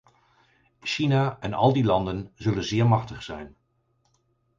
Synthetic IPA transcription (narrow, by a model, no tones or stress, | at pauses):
ʃinaɛnɑ̰lˠdilɑndənzɵlənzɪːɹmɑχtəχsɛjn